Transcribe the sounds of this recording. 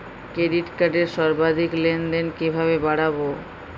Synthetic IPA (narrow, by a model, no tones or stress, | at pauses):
kɾeɖiʈkaɖeɾʃɔɾbad̪ʱiklenɖ̪enkibʱaβebaɽabo